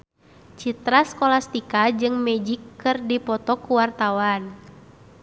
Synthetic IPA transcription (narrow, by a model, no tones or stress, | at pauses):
t͡ʃit̪ɾaskɔlast̪ikad͡ʒɨŋmɛd͡ʒikːɨrdipɔt̪ɔkuwart̪awan